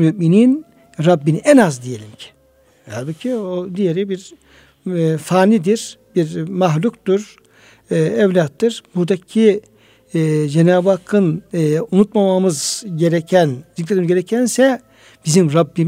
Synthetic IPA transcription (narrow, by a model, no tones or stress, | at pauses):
myʔminin | ɾabːiniʔɛnazd̪ije̞lʲimcʰi̥ | haɾbucʰiod̪ijeɾibiɾ | faːnid̪iɾ̥b̥iɾmaɦlʲukt̪uɾ | ɛvlʲat̪ːɯɾ̥buɾd̪acʰi | d͡ʒenaːbakʰɯnunut̪̚mamamɯzɟeɾɛcʰænzic̪lʲːet̪imizɟeɾɛcʰænsɛ | b̥izimɾabːim